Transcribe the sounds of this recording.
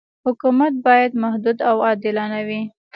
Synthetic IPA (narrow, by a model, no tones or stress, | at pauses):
hʊkumat̪̚bɑjad̪mahd̪ud̪awɑd̪ɪlanawi